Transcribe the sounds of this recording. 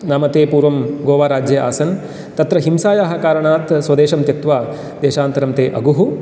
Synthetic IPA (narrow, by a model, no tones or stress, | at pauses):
naːmɐt̪eːpuːɾʋɐmɡoːʋaːɾaːd͡ʒjɐa̰ːsɐn | t̪ɐt̪ɾɐɦimsaːjaːɦɐ̆kaːɾɐɳaːt̪sʋɐd̪eːʃɐmt̪jɐt̪ʋaː | d̪eːʃaːnt̪ɐɾɐmt̪eːʔɐ̰ɡuɦu